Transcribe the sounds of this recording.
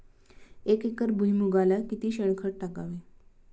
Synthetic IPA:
ekekəɾbʱuɦjmuɡalakit̪iɕəɳ̃kʰəɽ̚ʈaka̰ʋe

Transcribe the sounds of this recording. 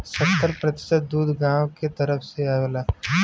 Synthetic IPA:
sənt̪əɾpɾət̪ɪ̥ʃət̪̚d̪uːd̪ʱɡãːwket̪əɾəfʰseaʋelaː

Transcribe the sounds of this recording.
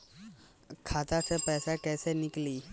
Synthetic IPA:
kʰaːt̪asʰepɛːsakɛːsenɪkliː

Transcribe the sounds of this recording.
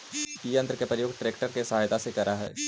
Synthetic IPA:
iɐ̃nt̪ɾəkepɾəjoːɡʈɾeːkʈəɾkesɦaːjt̪asekɐɾaɦɛ̰ː

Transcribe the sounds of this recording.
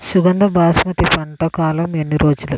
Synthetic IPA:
suɡɐnd̪ɐbʱaːsmɐt̪ipɐɳʈɐkaːlɐme̞nːiɾo̞ːd͡ʒulu

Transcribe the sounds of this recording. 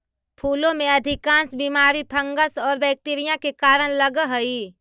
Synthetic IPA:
pʰuːlõmẽɐd̪ʱɪkãːnsbiːmaːɾipʰə̃ŋɡəsɔːɾbɛk̚t̪iɾijãkekaːɾəɽ̃ləɡɦoi

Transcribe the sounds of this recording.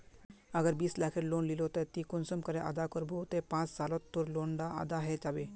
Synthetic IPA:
əɡəɾbiːslakʰeɾlonlilot̪et̪ikunsɔmkəɾeʔa̰d̪akəɾbut̪epãt͡ssalɔt̪ːuɾloɳɖaa̰d̪aɦɛd͡ʒabe

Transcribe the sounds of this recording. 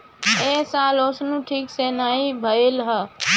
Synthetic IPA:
eːsãːloːsnũːʈʰiːkseːnaːĩbʱəeːlɦəː

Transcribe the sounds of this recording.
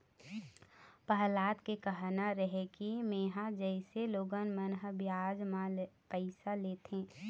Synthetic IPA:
pəɦlaːt̪kekəɦnaɾəɦekimeːɦad͡ʒəɪseloːɡənmənɦəbjaːd͡ʒmãpəɪsaleːt̪ẽː

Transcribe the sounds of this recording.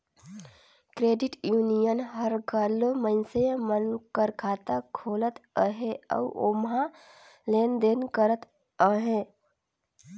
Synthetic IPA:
kɾeːɖɪʈjuːnijənɦəɾɡalːomənsəmənkəɾkʰaːt̪akʰoːlət̪əɦeə̰ʊʔomɦã | leːnd̪eːnkəɾət̪ | əɦẽ

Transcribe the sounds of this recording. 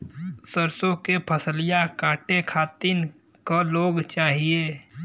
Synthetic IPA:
səɾsõkepʰəsəlɪjakaːʈekʰaːt̪ɪn | koloːɡt͡ʃaːɦieː

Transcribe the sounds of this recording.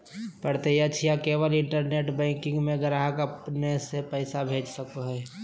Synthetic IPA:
pəɽt̪ejat͡ʃʰijakeːʋəlɪ̃ɳʈəɾneːʈbɛ̃ːŋkɪ̃ŋɡmẽɡəɾaːɦəkəpnesepɛɪsabʱeːd͡ʒsəkoɦɛː

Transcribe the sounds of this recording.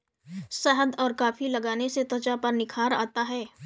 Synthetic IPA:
səɦəd̪ɔːɾkaːfilɐɡaːneset̪ət͡ʃapɐɾnɪkʰaːɾa̰ːt̪aɦɛː

